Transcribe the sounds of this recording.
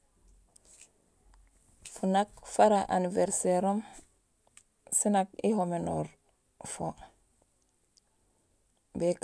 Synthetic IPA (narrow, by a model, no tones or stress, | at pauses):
funakfaɾaʔa̰nivɛɾseɾɔm | sinak̚iɦomenɔɾ | fo | bɛk